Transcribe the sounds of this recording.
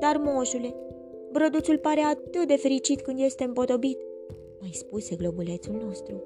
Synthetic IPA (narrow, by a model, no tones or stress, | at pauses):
d̪armo̞ʃule̞ | bɾod̪usulpaɾe̞at̪ɨt̪̚d̪e̞fe̞ɾit͡ʃit̪kɨnd̪je̞st̪e̞ɨmpo̞t̪o̞bit̪ | majspuse̞ɡlo̞bule̞t̪sulno̞st̪ɾu